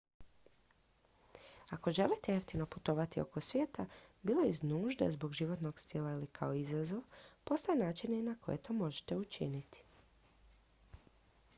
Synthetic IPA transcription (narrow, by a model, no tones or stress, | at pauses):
ako̞ʒe̞lit̪ejeft̪ino̞put̪o̞ʋat̪io̞̰ko̞sʋjeːt̪abiːloiznuːʒd̪a̰zbo̞ɡʒiʋo̞t̪no̞ɡst̪ilˠailikʰaoizazo̞ʋpo̞st̪ajenaːt͡ʃininakʰo̞jet̪ʰo̞ːmo̞ʒe̥t̪eut͡ʃḭnit̪i̥